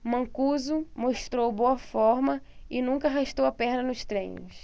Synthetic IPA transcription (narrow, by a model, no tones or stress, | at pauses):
mɐ̃kuzumoʃt̪ɾowboɐfɔɾmɐɪnũkɐaɦaʃt̪owɐpɛɾd̪ɐnʊst̪ɾḛ̃jɲʊ̰s